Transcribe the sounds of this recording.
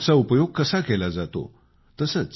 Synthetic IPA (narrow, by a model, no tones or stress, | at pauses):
t͡saupəjoɡ̚kəsakelad͡zat̪o̰ | t̪əsət͡s